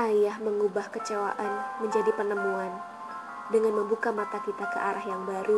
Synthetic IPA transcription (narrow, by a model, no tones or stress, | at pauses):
ʔajahməŋubahkət͡ʃawa̰ʔanməɲd͡ʒadipənəmuan | dəŋanməmbukamat̪akit̪akəʔaɾaɦjaŋbaɾu